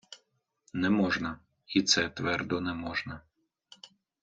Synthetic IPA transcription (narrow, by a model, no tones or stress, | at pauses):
nɛmɔʒnɐ | it̪sɛt̪ʋɛrd̪ɔnɛmɔʒnɐ